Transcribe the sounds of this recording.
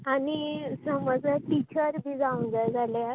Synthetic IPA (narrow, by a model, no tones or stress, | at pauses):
anisəməd͡zəʈit͡ɕəɾbid͡zaund͡zad͡zʱalja